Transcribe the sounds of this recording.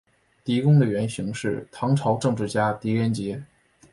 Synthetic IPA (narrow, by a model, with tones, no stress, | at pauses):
t̪i˧˥kʊ˥ŋd̪ə˨ɥɛ˧˥nɕi˧˥ŋʂɻ̩˥˩t̪ʰɑ˧˥ŋʈ͡ʂʰɑ˧˥ʊʈ͡ʂɤ˥˧ŋʈ͡ʂɻ̩˥˩t͡ɕja˥t̪i˧˥ɥɛ˧˥nt͡ɕjɛ˧˥